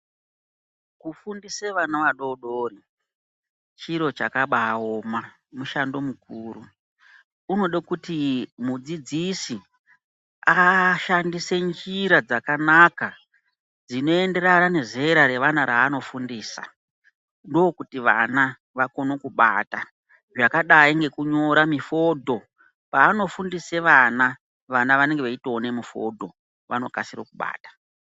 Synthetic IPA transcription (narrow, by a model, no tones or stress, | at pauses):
kufundiseʋanaʋaɗo̞ɗoːri | t͡ʃiɾo̞t͡ʃakaɓaːoːma | muʃando̞mukʰuːɾu | uno̞ɗakutimud͡zid͡zisi | aʃandise̞nd͡ʒiɾad͡zakanaka | d͡zino̞e̞nde̞ɾanane̞zeɾaɾe̞ʋanaɾaːno̞fundiːsa̰ | ndoːkutiʋa̰na | ʋako̞no̞kuɓa̰ːta | ʐakaɗaiŋɡe̞kuɲo̞ɾamifo̞dʱo̞ | paːno̞fundise̞ʋana | ʋanaʋane̞ŋɡeʋeitoːne̞mufo̞̰dʱo̞ | ʋa̰no̞kasiro̰kuɓa̰ːtḁ